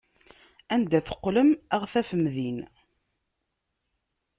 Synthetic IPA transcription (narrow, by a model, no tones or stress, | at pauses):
ænd̪æθə̥qːləmæʁθæfəmːðin